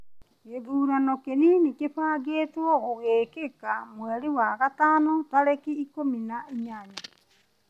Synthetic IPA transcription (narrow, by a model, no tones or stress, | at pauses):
eðuːɾanɔkeninikefaːɡeːtwɔoɣeːkekamwɛɾiwaɣataːnotaɾekiikominaiɲaɲa